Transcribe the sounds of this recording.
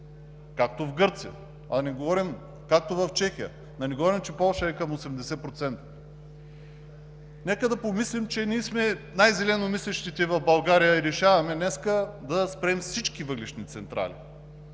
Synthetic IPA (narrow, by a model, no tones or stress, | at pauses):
kak̚t̪ovɡɤɾt̪sijə̰ | ɐ̰nɛɡovɔɾim | kak̚t̪ovɐft͡ʃɛxijə̰ | nɐnɛɡovɔɾimt͡ʃɛpɔlˠʃəɛkɐmosɛmd̪ɛsɛpɾot̪sɛnt̪ə̥ | nɛkəd̪ɐpomislimt͡ʃɛniːsmɛnajzɛlɛnomislɛʃt̪it̪ɛvɐvbɐlˠɡaɾijəiɾɛʃavɐmɛnɛskəd̪ɐspɾɛmfsit͡ʃkivəɡlʲɛʃnit̪sɛnt̪ɾa̰lḭ